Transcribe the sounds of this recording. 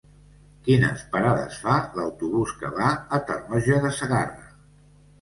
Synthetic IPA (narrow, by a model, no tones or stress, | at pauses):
kinə̰spəɾaðə̰sfaləwt̪uβ̞uskəβaət̪ərnɔʒəðəsəɣarə